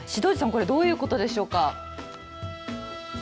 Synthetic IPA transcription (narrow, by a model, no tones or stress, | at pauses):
ɕid̪o̞ːd͡ʑisãŋko̞ɾe̞d̪o̞ːjɯ̟ːko̞t̪o̞d̪e̞ɕo̞ːka